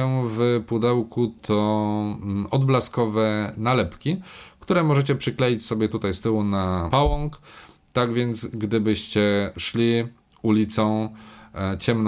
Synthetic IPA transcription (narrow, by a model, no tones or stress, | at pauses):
ɛ̃vpud̪ɛwkut̪ʰɔ | ɔd̪blaskɔvɛnalɛpkʲikt̪uɾɛmɔʐɛt͡ɕɛpʂɘklɛjit͡ɕsɔbʲjɛt̪ut̪ajst̪ɘwunapawɔŋk | t̪aɡvʲjɛnt̪sɡd̪ɘbɘɕt͡ɕɛʂlʲi | ulʲit̪sɔ̃ | t͡ɕɛmn